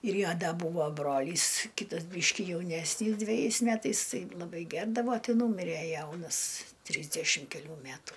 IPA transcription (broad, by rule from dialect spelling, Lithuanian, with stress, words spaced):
ɪr ˈjoː ˈdɐ ˈbuːʋoː ˈbroːlʲiːs ˈkʲiːtɐs ˈbʲiːʃʲkʲɪ jɛʊˈnʲæːsʲnʲiːs dʲʋʲɛˈjɛɪs ˈmʲæːtɐɪs ˈtɐɪ lˠɐˈbɐɪ ˈɡʲɛrdɐʋoː ˈtɨ ˈnuːmʲɪrʲɛ ˈjɛʊnɐs ˈtʲrʲiːzʲdʲɛʃʲɪm kʲɛˈlʲuː ˈmʲætuː